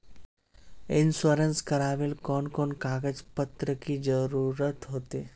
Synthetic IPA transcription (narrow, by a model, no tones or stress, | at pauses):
ɪnsəɾənskəɾaʋeːlkɔnkɔːnkaɡəd͡zpət̪ɾəkiːd͡zəɾuɾət̪ɦot̪e